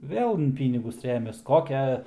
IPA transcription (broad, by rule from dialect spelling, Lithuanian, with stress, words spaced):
ˈʋʲeːlˠ ɪn ˈpʲiːnʲɪɡʊs ˈrʲæːmʲɛs ˈkoːkʲɛ